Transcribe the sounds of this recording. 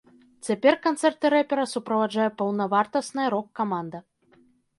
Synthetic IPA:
t͡sʲapʲɛrkant̪sɛrt̪ɨɾɛpʲɛɾɐsupɾɐvad͡ʐajɛpɐwnɐvart̪ɐsnɨjɐɾɔkːamand̪ɐ

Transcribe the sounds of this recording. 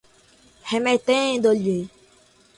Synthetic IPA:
hɛ̃mɛ̃t̪ɛ̃d̪ole

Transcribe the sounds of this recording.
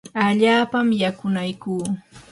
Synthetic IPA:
aʎaːpamjakʊnajkuː

